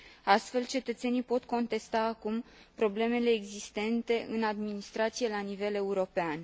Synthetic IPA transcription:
ast̪fe̞lt͡ʃe̞t̪ət̪se̞nijpo̞t̪ko̞nt̪e̞st̪aːkum | pɾo̞ble̞me̞le̞ːɡzist̪e̞nt̪e̞ʔɨnad̪minist̪ɾat̪sije̞lanive̞le̞uɾo̞pean

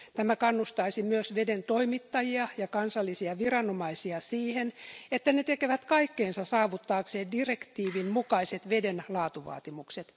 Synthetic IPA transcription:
t̪æmækɑnːust̪ɑisimyøsʋedent̪oimit̪ːɑjiɑjɑkɑnsɑlːisiɑʋirɑnomɑisiɑsiːhenet̪ːænet̪ekeʋæt̪kɑikːeːnsɑsɑːʋut̪ːɑːkseːndirekt̪iːʋinmukɑiset̪ʋedenlɑːt̪uʋɑ̰ːt̪imukset̪

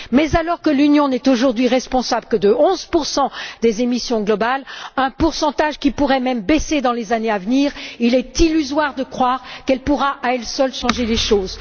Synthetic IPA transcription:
mɛzalɔʁkəlynjɔ̃nɛt̪oʒuʁd̪ɥiʁɛspɔ̃sabləkəd̪əɔ̃zpuʁsɑ̃d̪ezemisjɔ̃ɡlɔbalɛ̃puʁsɑ̃t̪aʒkʲipuʁɛmɛmbesed̪ɑ̃lezaneavniːʁilɛt̪ilyzwaʁd̪əkχwaʁkɛlpuʁaʔaɛlsœlʃɑ̃ʒeleʃoːz

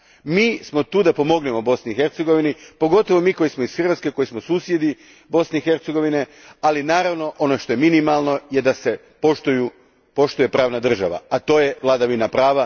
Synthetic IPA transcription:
miːsmo̞t̪uːd̪apo̞mo̞ɡnemobo̞sniixe̞ɾt̪seɡo̞ʋinipo̞ɡo̞t̪oʋo̞miːko̞jismo̞isxr̩ʋat̪ske̞ko̞jismo̞suːsje̞d̪i | bo̞sneixe̞ɾt̪se̞ɡo̞ʋine̞ | alinaːɾaʋno̞ʔo̞no̞ʃt̪o̞je̞minimalˠno̞je̞d̪ase̞ | poʃt̪uju | po̞ʃt̪uje̞pɾaːʋnad̪r̩ʒa̰ʋa̰at̪o̞ːje̞ʋlˠad̪aʋinapɾaːʋa

